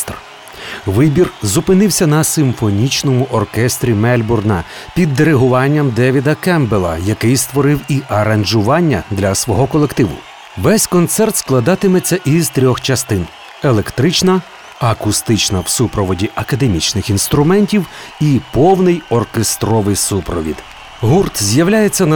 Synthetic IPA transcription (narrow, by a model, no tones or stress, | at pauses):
t̪r | ʋɪbʲirzʊpɪnɪwsʲɐnɐsɪmfɔnʲit͡ʃnɔmʊʔɔrkɛst̪ɾʲimɛlʲbʊrnɐ | pʲid̪ːeɾeɦʊʋɑnʲːɐmd̪ɛʋʲid̪ɐkɛmbelˠɐ̰jɐkɪjst̪ʋɔɾɪwiʔɐɾɐnʒʊʋɑnʲːɐd̪lʲɐsʋɔɦɔkɔlˠekt̪ɪʋʊ̰ | ʋɛsʲkɔnt̪sɛrt̪sklˠɐd̪ɑt̪ɪmet͡sʲːɐʔizt̪ɾʲɔxt͡ʃɐst̪ɪn | elˠe̞kt̪ɾɪt͡ʃnɐ | ɐkʊst̪ɪt͡ʃnɐwsupɾɔʋɔdʲiʔɐkɐd̪e̞mʲit͡ʃnɪxinst̪ɾʊmɛnʲtʲiw | ipɔwnɪjɔrkest̪ɾɔʋɪjsupɾɔʋʲḭd̪ | ɦurt̪zʲjɐwlʲajet͡sʲːɐnɐ